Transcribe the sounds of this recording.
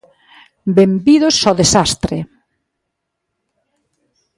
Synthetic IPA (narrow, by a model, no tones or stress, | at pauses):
bembiðʊsɔðesast̪ɾɪ